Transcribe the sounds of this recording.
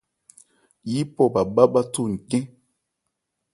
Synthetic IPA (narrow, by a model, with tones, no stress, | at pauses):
ji˦pɔ˦˨ba˨ba˦ɓa˦tu˦˨ŋ̩˨kɛ̃˦